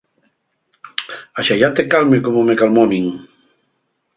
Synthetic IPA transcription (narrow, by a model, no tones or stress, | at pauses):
aʃajat̪ekalmekomomekalmɔmiŋ